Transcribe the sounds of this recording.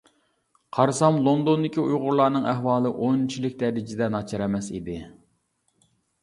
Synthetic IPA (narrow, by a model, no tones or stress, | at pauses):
qʰɑɾsɑmlˠond̪ond̪ɪkʲiujʁʊɾlˠɑɾnɨŋæɦwɑːlˠɨʔont͡ʃʰilɪk̚ʲd̪ɛɾɪd͡ʒɪd̪ɛnɑt͡ʃʰɑɾɛmɛsḭd̪ɪ